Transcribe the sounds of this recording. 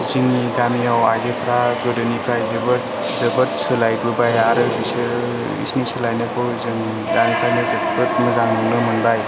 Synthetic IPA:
ziŋiɡamijawazepʰɾaɡɯdɯnipʰɾajzɯbɯt̚ | zɯbɯt̚sɯlajɡubajaɾɯbisɯ | ḭsnisɯlajnɯkʰɯzɯŋ | daŋtajnɯzɯpɯt̚mɯzaŋɯŋnɯmɯnbaj

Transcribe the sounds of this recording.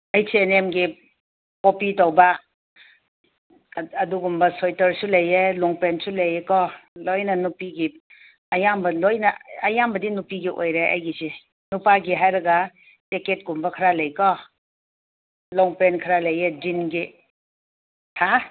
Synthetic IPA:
ajseenemɡi | kopitɔwba | ɐduɡumbɐsojtɐɾsulɐjelɔŋpɾensulɐjekɔlojnɐnupiɡi | ɐjambɐlojnɐɐjambɐdinupiɡiʔo̰jɾeʔa̰jɡisi | nupaɡiɦajɾɐɡa | teket̚ɡumbɐkʰaɾalɐjkɔ | lɔŋpɾenkʰaɾalɐjed͡ʒinɡi | tʰa

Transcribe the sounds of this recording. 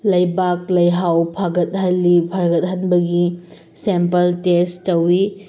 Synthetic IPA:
lɐjbak̚lɐjɦawpʰaɡɐt̚ɦɐlːipʰaɡɐt̚ɦɐnbɐɡi | sempɐltestɐwi

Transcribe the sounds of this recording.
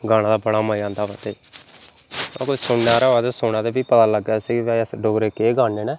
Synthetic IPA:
ɡaːɽ̃ãːd̪aːbəɽaːməiãːnd̪aːbət̪eː | a̰ːkosʊɳːaːɾaːaːd̪esoːnãːd̪eːbiːpət̪aːləɡaːsiɡːsɖoːɡɾeːkeːɡaːneːnɛː

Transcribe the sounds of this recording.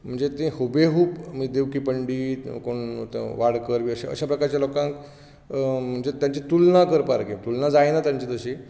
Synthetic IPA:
m̤əɳd͡zet̪ẽhobeɦuːpmid̪eʋkipəɳɖiːkoɳʋaɽkəɾʋiəɕeə̰ɕapɾəkaɾt͡ɕjalokãŋk | m̤əɳd͡zet̪jaɲt͡ɕit̪ulnakəɾpaɾkit̪ulnad͡zajnat̪jaɲt͡ɕit̪əɕi

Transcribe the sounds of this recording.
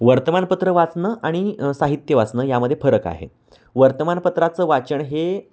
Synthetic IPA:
ʋəɾt̪əmanpət̪ɾəʋat͡snəːʔaɽ̃isaɦit̪jəʋat͡snəːjaməd̪ʱjefəɾəka̰ɦḛ | ʋəɾt̪əmanpət̪ɾat͡səːʋat͡ɕəɳɦe

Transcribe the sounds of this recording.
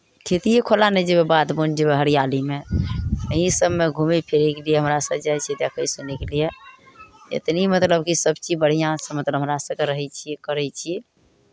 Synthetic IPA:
kʰet̪ijekʰolanɛd͡ʒebebad̪bond͡ʒebeɦəɾijalime | əɦĩsəbmeɡʱumepʰeɾekelijeɦəmɾasəbd͡ʒajt͡ʃʰit̪jakəisunekelije | ḛt̪nimət̪ləbkisəbt͡ʃibəɽ̤ijãsə̃mət̪ləbɦəmɾasəbɡeɾəɦɛt͡ʃʰiekəɾɛt͡ʃʰiɛ

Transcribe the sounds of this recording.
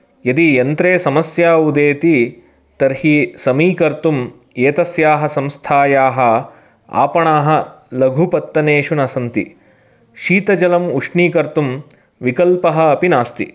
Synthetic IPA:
jɐd̪ijɐnt̪ɾeːsɐmɐsjaːud̪eːt̪i | t̪ɐɾhisɐmiːkɐɾt̪um | eːt̪ɐsjaːɦɐsɐmst̪ʰaːjaːɦɐ̆ | a̰ːpɐɳaːɦɐ̆lɐɡʱupɐt̪ːɐneːʃunɐsɐnt̪ḭ | ʃiːt̪ɐd͡ʒɐlɐmuʂɳiːkɐɾt̪um | ʋikɐlpɐɦɐːpinaːst̪ḭ

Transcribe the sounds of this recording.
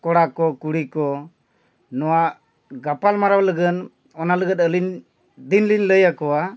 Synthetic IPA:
kɔɽakɔkuɽikɔ | nɔwa | ɡapalmaɾawləɡən | ɔnaləɡət̪əlin | d̪inlinləjakɔwa

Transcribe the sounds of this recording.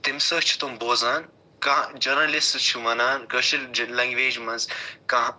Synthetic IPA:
t̪ɪmsɐkt͡ʃʰu̥t̪umboːzaːn | kãːd͡ʒɐɾnɐlɪstt͡ʃʰumɐnaːnkɐʃʰillɐ̃ːŋɡʋeːd͡ʒmɐnzkãː

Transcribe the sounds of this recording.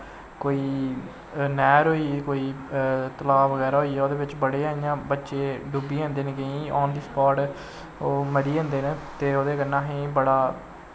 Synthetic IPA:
koːiː | nɛːɾɦoːiːkoːiːt̪əlaːʋəɡɛːɾaːɦoiːɛːoːd̪eːbɪt͡ʃbəɽeːaːijãːbətːʃeːɖʊbiːə̃ːnd̪eːnɡəĩːɔːnd̪iːspɔːʈ | oːməɾiːə̃nd̪eːnt̪eːoːd̪eːkənːãːɦĩːbəɽaː

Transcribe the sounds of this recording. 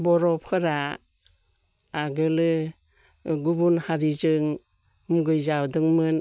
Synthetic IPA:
bɔɾɔpʰɯɾa | ɡɯlɯ | ɡubunhaɾizɯŋ | muɡɯjzawdɯŋmɯn

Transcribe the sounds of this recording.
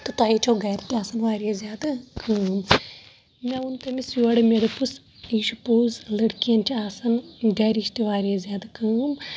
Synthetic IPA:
t̪ot̪aːit͡ʃʰoːɡɛːɾt̪iaːsɐnʋaːɾijazʲjaːd̪akʰəːm | mʲãunt̪emisuɐɽemeɾepus | iːʃupuːzlɐɽkijɐnt͡ʃʰiaːsɐnɡɛːɾiːʃt̪iʋaːɾijazʲjaːd̪akəːm

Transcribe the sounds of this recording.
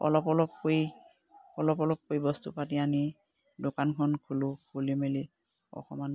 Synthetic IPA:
ɔ̰lɔpɔlɔpkoj | ɔlɔp̬ɔlɔp̚kojbɔstṵpatiani | dokankʰɔnkʰulʊkolimeli | ɔ̰xɔman

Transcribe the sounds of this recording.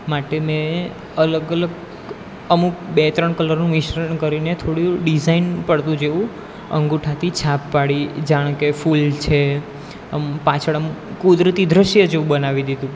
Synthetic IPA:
maʈemẽ | ələɡələɡ | əmũbet̪ɾəɳ̃kələɾnũʋiʃɾəɾɳkəɾinet̪ʰoɽũɖizainpəɽt̪ũd͡ʒeũ | ə̰ŋɡuʈʰat̪it͡ʃʰapːaɽid͡ʒaɽ̃kefult͡ʃʰe | əmpat͡ʃʰəɭəmũkud̪ɾət̪id̪ɾəʃjəd͡ʒeũbənaʋid̪id̪ũ

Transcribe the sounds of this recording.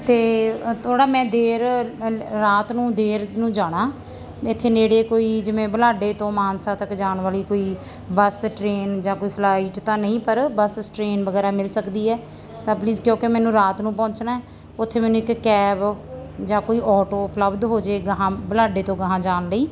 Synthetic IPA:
t̪eːt̪ʰoːɽaːmɛ̃ːd̪eːɾ | ɾaːt̪nũːd̪eːɾnũːd͡ʒaːɽ̃ãː | ɪt̪ʰːeːneːɽeːkoːiːd͡ʒɪʋẽːbəlaːɖeːt̪õːmaːnsaːt̪əkd͡ʒaːɳʋaːliːkoːiː | bəsʈɾeːnd͡ʒãːkoːiːpʰlaːiːʈt̪ãːnəĩːpəɾbəssʈɾeːnbəɡɛːɾaːmɪlsəkd̪iːɛː | t̪ãːpliːzkjõːkemɛ̃ːnũːɾaːt̪nũːpɔ̃ːɲt͡ʃnaːɛ | ʊt̪ʰːeːmɛ̃ːnũːɪkːɛːbd͡ʒãːkoːiːʔɔːʈoːpləbd̪ɦoːd͡ʒeːɡəɦãːbəlaːɖeːt̪õːɡəɦãːd͡ʒaːnləiː

